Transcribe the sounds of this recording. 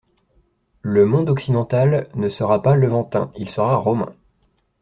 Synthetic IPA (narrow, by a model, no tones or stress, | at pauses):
ləmɔ̃d̪ɔksid̪ɑ̃t̪alnəsəʁapaləvɑ̃t̪ɛ̰̃ilsəʁaʁɔmɛ̰̃